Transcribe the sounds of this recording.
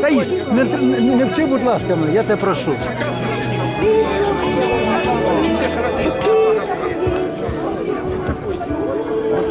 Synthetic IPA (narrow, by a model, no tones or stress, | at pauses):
t̪ɐinɛt̪nnɛwt̪ʲibud̪lˠɑskɐmnɪjat̪ɛpɾɐʃu